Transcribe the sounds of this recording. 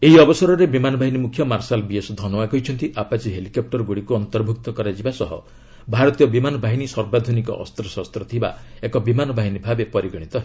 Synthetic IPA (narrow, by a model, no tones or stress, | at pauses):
eɦiɔbɔsɔɾɔɾebimanɔbʱaɦinimukʰjɔmaɾsalbiesd̪ʱɔnɔwaɡɔɦit͡ʃʰɔnt̪iʔapat͡ʃiɦelikɔp̚ʈɔɾɔɡuɽikuɔnt̪ɔɾbʱuk̚t̪ɔkɔɾad͡ʒibasɔɦɔ̰ | bʱaɾɔt̪ijɔbimanɔbaɦinisɔɾbad̪ʱunikɔ̰ʔɔ̰st̪ɾɔsɔst̪ɾɔt̪ʰiba̰ekɔbimanɔbaɦinibʱabepɔɾiɡɔɽ̃it̪ɔ